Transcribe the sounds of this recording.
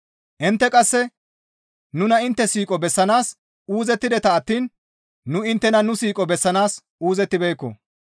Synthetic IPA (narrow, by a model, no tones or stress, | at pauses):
ʔɪnt̪ːɛkʼɐsːɛ | nʊnɐɪnt̪ːɛsiːkʼɔbɛsːɐnaːs | uːzɛt̪ːɪd̪ɛt̪ɐːt̪ːiːn | nʊɪnt̪ːɛnɐnʊsiːkʼɔbɛsːɐnaːs | uːzɛt̪ːɪbɛjkːɔ̰